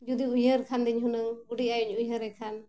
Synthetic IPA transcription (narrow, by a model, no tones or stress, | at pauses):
d͡ʒud̪iujəɾkʰand̪iɲɦunəuɖiajuɲujɦəɾɛkʰan